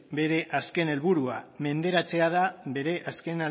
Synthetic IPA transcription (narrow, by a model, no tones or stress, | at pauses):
be̞ɾe̞ʔaske̞ne̞lβuɾuame̞nd̪e̞ɾat͡se̞að̞aβe̞ɾe̞ʔaske̞na